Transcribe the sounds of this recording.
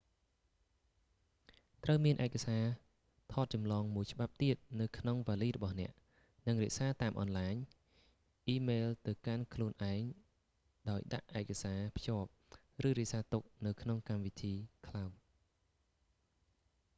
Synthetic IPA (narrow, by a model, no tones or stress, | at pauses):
t̪rəwmiənʔaɛkasaː | t̪ʰɑːt̪̚t͡ɕɑmlɑːŋmuəjt͡ɕə̆ɓap̚t̪iət̪̚nɨwkʰnoŋʋaːliːrɔɓɑhnɛ̆əʔ | nɨŋrɛ̆əʔsaːt̪aːmʔɑnlaːɲ | ʔiːmeːlt̪ɨwkankʰluənʔaɛŋ | ɗaɔjɗa̰ʔʔaɛkasaːpʰjoəp̚ | rɨːɾɛ̆əʔsaːt̪uk̚nɨwkʰnoŋkamʋit̪ʰiːkʰlaw